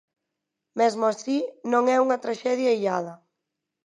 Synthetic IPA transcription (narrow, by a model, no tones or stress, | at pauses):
mɛzmʊasinõŋɛuŋɐt̪ɾaʃɛðjaiʎað̞ɐ